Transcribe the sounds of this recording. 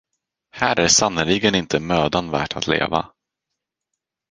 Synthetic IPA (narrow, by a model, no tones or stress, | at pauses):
hæːɾæɾsanəlɪɡənɪnt̪əmøːd̪anvæ̰ːʈʰat̪ʰlḛːva̰